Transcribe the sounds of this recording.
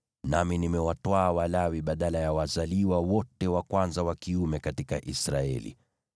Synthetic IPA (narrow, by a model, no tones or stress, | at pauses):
naminimɛwatwaːwalawiɓaɗalajawazaliwawɔtɛwakwanzawakiumɛkatika̰ʔisɾaɛ̰lḭ